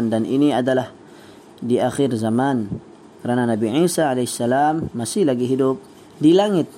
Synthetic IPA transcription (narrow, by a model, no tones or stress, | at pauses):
ndanʔiniadalah | diaxɪrzaman | kəɾananabiʕisaalaisːalamːasɪhlaɡiɦidʊp̚ | dilaŋɪt̪̚